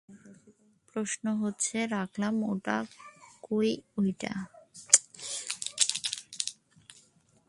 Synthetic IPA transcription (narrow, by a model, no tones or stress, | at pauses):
pɾoʃnoɦotːɕʰeɾakʰlamoʈa̰kojojʈa̰